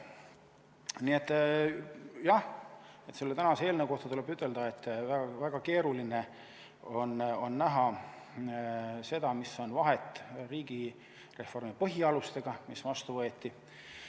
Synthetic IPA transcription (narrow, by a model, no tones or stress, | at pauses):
niet̪ːˑ | jɑhe̞t̪se̞lːet̪ænɑsee̞ːlnewko̞ht̪ɑt̪ule̞byt̪ˑːe̞ld̪̥ɑe̞t̪ːˑvæɡɑvæɡ̥ɑke̞ːɾuline̞ | o̞no̞nːæɦɑ | se̞d̪̥ɑmisːo̞nvɑɦe̞t̪ːˑriːɡi | re̞fo̞rmipɤɦiɑlust̪e̞ɡ̥ɑmisvɑst̪uvɤe̞t̪ːi